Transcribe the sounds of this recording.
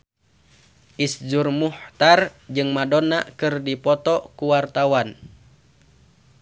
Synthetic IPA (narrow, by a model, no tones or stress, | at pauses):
ʔisd͡ʒurmuht̪ard͡ʒɨŋmadɔnakɨrdipɔt̪ɔkuwart̪awan